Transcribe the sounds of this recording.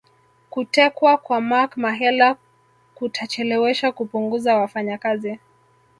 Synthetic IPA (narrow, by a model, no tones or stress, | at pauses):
kutɛkwakwamakmaɦɛla | kutʰat͡ʃɛlɛwɛʃakupuŋɡuzawafaɲakazi